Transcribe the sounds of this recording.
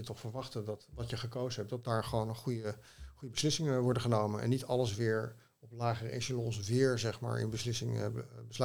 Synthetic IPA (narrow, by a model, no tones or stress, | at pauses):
ətɔχfəɹʋɑχtədɑtdɑtjəχəkowzəɦɛp̚dɑt̚daːɹχəʋownəχujə | χujəbəslɪsɪŋəʋɔɹdəχənowmənɛ̰nːitɑləs̬ʋɪːɹ | ɔplaːχərəḛʃəlɔnsʋɪːɹzɛχma̰ːɹɪ̰nbəslɪsɪŋbəsl